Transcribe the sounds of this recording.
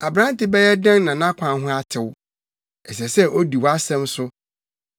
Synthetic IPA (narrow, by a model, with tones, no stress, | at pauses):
a˨bɾã˦n˦tɪ˦bɛ˦jɛ˦dã˦n˦nã˨nã˦kʷʰã˨nɦʊ̃˦a˦tʰɪ˨wʊ˦ | ɛ˨sɛ˨sɛ˦ʔo˦di˨wa˦sɛ̃˦msʊ˦